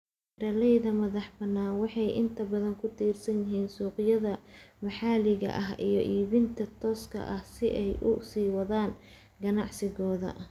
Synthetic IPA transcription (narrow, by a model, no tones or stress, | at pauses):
ɾɐlɛjðɐmɐðɑħbɐnːaːnwɑħɑjʔɪ̰nt̪ʰɐbɐðɐŋkʰʊt̪ʰiːrsɐnjɪɦiːnsuːqɪjɐðɐmɑħɑːlɪɣɐ̰ʔɐɦijɞʔiːβɪnt̪ʰɐt̪ʰɔːskʰɐ̰ʔɐhsɪʔɛjʔʊ̰siːwɐðaːn | ɡɐnɑʕsɪɣɔːðɐ̰